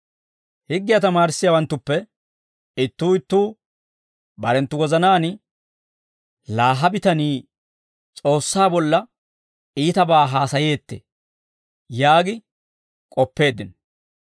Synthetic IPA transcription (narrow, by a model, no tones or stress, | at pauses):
hɪɡːɪjat̪ɐmaːɾɪsːɪjɐwɐnt̪ːʊpːɛ | ɪt̪ːuːɪt̪ːuː | bɐɾɛnt̪ːʊɡɔzɐnaːn | laːɦɐbɪt̪ɐniː | t͡sʼo̞ːsːaːbɔlːɐ | iːt̪ɐbaːɦaːsɐjeːt̪ːḛː | jaːɡɪ | kʼɔpːe̞ːd̪ːɪn